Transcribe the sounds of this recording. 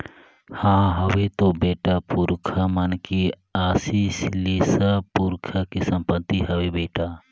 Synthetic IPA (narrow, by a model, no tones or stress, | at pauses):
hãɦəʋet̪obeːʈapuɾkʰamənke | aːsiːsleːsapuɾkʰakesə̃mpət̪ːiɦəʋebeːʈa